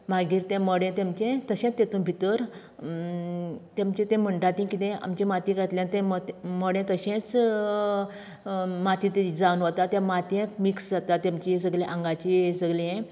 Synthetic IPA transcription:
maɡiːɾt̪ɛ̃məɽɛ̃t̪emt͡ɕɛ̃t̪əɕɛ̃t͡st̪ːet̪ũbʱit̪əɾ | t̪emt͡ɕɛ̃t̪ɛ̃m̤əɳʈat̪ĩkit̪ɛ̃a̰mt͡ɕẽmat̪ĩkət̪ljant̪ɛ̃məməɽɛ̃t̪əɕɛ̃t͡s | mat̪ĩt̪ed͡zaunʋot̪at̪jɛ̃mat̪ɛ̃kmiksd͡zat̪at̪ːamt͡ɕis̬əɡlɛ̃ʔãŋɡat͡ɕisəɡleɛ̃

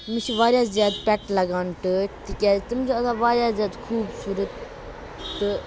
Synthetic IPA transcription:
mit͡ʃʰʋaːɾjaːszaːd̪pʲɛʈlɐɡaːnʈɨt̪ikʲaːt̪ɨmd͡ʒiɐt̪aːʋaːɾjaːzʲjaːd̪kʰuːbsuːɾət̪ | t̪ɨ

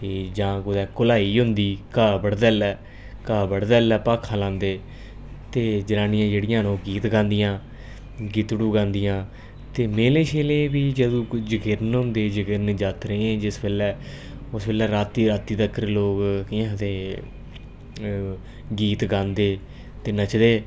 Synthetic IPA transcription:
t̪eːd͡ʒãːkʊd̪ɛːkʊlaːiːɦʊnd̪iːkaːbəɽd̪ɛːlɛː | kaːbəɽd̪ɛːlɛːpaːkʰːãːlãːnd̪eː | t̪eːd͡ʒənaːnɪjãːd͡ʒeːɽɪjãːnõːɡiːt̪ɡãːnd̪ɪjãː | ɡɪt̪ɽuːɡãːnd̪ɪjãː | t̪eːmeːlẽːʃeːlẽːbiːd͡ʒəd̪ũːd͡ʒəɡɪɾnɦʊ̃nd̪eːd͡ʒəɡɪɾnd͡ʒaːt̪ɾẽːẽːd͡ʒɪsbeːlɛː | ʊsbeːlɛːɾaːt̪iːɾaːt̪iːt̪əkːəɾloːɡkɪãːt̪eː | ɡiːt̪ɡãːnd̪eː | t̪eːnat͡ʃʰd̪eː

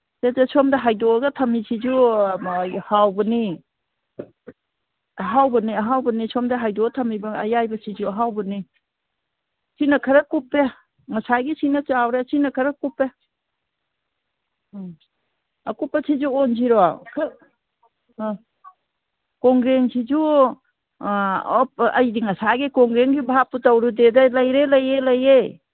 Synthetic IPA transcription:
sezesomdɐɦajdoɡɐtʰɐmisʰid͡ʒu | hawbɐni | ɐɦawbɐniɐɦawbɐnisomdɐɦajdoɡɐtʰɐmibɐɐjajbɐsid͡ʒuɐɦawbɐni | sinɐkʰɐɾɐkupːe | ŋɐsajɡisinɐt͡ʃawɾesinɐkʰɐɾɐkupːe | ɐ̰kupːɐsʰid͡ʒuɔnziɾɔa̰kʰɐ | kɔŋɡɾeŋsid͡ʒu | ɔp̚ɐjdiŋɐsaɡikɔŋɡɾeŋɡibapːutawɾudedalɐjɾelɐjelɐje

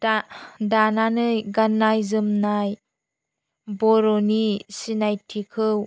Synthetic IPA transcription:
dananɯjɡanːajzɯmnaj | bɔɾɔnisinajtʰikʰɯw

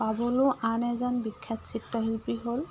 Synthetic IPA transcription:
pabɔlʊʔanɛzɔnbikʰːat̪sʰitːɔɦilpiɦol

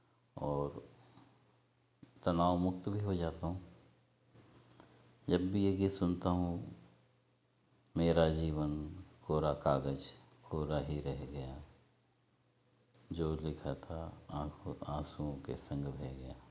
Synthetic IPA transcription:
ɔːɾ | t̪ɐnaːwmʊk̚t̪bʱiɦod͡ʒaːt̪aɦũ | d͡ʒɐbːʱijeɡisʊnt̪aɦũ | meːɾad͡ʒiːʋənkʰoːɾakaːɡəd͡ʒ | kʰoːɾaɦiɾɛɦɡɐjaː | d͡ʒoːlɪkʰat̪ʰa | ãːsuõkḛsə̃ŋɡbʱeɡɐjaː

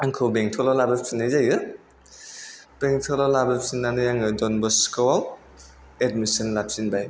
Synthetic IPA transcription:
aŋkʰɯwbeŋtʰɔlɔlabɯsʰinajzajɯ | b̥eŋtʰɔlɔlabɯsinːanɯjaŋɯdɔnbɔskɔwal | edmisɔnlap̚sinbaj

